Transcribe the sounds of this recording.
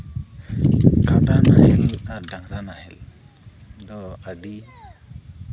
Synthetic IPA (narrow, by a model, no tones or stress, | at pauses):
kaɖanahɛladaŋɾanahɛl | d̪ɔaɖi